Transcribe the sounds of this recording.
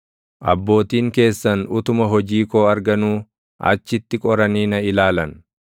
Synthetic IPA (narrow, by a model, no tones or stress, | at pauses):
ʔɐ̰bːo̞ːt̪iːŋke̞ːsːɐnʊt̪ʊmɐɦɔd͡ʒiːko̞ːɐɾɡɐnuː | ʔɐ̰t͡ʃːɪt̪ːɪkʼɔɾɐniːnɐɪlaːlɐn